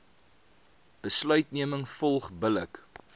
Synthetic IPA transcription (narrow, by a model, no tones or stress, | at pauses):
b̥əslœɥtniəməŋfɔlˠχbələk